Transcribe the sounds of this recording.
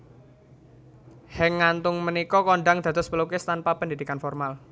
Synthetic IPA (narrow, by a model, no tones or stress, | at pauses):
hɛŋːant̪ʊŋmənikɔkɔɳɖaŋd̪̥ä̤t̪ʊspəlukɪst̪anpapəndid̪ikanfɔrmal